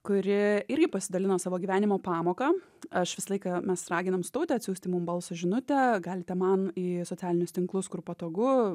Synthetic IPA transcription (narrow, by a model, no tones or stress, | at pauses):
kʊɾʲɪɪɾʲɡʲɪpɐsʲɪd̪ɐlʲɪnoːsɑːʋoːɡʲiʋʲæːnʲɪmoːpɑːmoːkɑ | ɐʃʋʲɪsɐlˠɐɪkɑmʲɛsrɑːɡʲɪnɐmst̪oʊt̪ʲɛːɐt̪ʲsʲuːsʲt̪ʲɪmʊmbɐlˠsoʒʲɪnʊt̪ʲɛɡɑːlʲɪt̪ʲɛmɐniːsoːtt͡s̪ʲæːlʲɪnʲʊst̪ʲɪŋklˠʊskʊrpɐt̪oːɡʊ